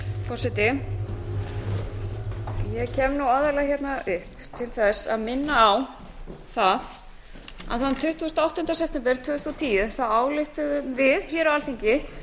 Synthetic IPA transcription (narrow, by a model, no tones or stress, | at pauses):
pɔsɪt̪ɪ | jɛcʰɛːmnuwaðɛɾlaçjɛt̪naʔʏhp | t̪ʰɪlθɛsːa̰ðmɪnːaːw | θað | a̰ðθanːt̪ʰʏht̪uɣʏst̪awht̪ʏnt̪asɛp̚t̪ɛmpɛɾ̥t̪ʰʏːʏst̪ɔt̪ʰiːjʏθaðaːwlɪht̪ʏðʏmvɪðçɛɾawalθiɲcɪ